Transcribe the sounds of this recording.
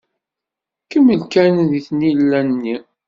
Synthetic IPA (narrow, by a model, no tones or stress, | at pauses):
kəmːəlkænðiθnilːænːi